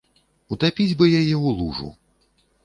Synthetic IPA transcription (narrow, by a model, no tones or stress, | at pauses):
ut̪apʲid͡zʲbɨjajɛulˠṵʐṵ